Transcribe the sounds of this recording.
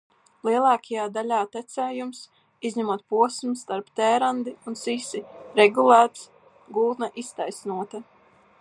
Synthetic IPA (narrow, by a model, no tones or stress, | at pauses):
lˠiɛlˠɑːkʰajaːd̪alʲaːt̪ɛt̪sɛːjums | izʲɲamuɔt̪̚puɔsmst̪aɾpt̪ɛːɾand̪iunsisiɾɛɡulˠæːt̪s | ɡulˠt̪naʔist̪ajsnuɔt̪a